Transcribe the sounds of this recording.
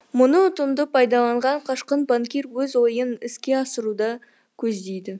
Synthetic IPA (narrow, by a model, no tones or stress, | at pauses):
mʊnət̪ʊmd̪əpʰɑjd̪ɑlˠɑɴʁɑɴqʰɑʃqənbaŋkʲirwɵzo̞jənɪskʲe̞ɑsəɾud̪ɑ | kʲʰɵzd̪ejd̪ɪ